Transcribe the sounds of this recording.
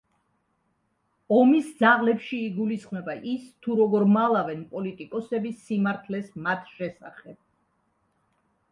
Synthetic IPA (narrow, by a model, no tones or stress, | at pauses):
ɔmisd̪zaʁlɛpʃiːɡulisχmɛbaʔist̪ʰuɾɔɡɔɾmalˠavɛnpʼɔlit̪ʼikʼɔsɛbisimaɾt̪ʰlɛsmat̪ʰʃɛsaχɛb̥̚